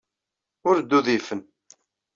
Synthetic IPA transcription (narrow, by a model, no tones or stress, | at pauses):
ʊɾd̪ːuðifən